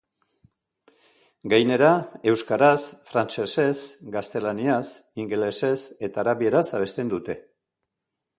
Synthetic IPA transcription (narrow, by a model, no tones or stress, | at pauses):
ɡajne̞ɾae̞wskaɾasfɾant͡ʃe̞se̞sɡast̪e̞lanias | iŋɡele̞se̞se̞t̪aːɾaβie̞ɾasaβ̞e̞st̪e̞nd̪ut̪e̞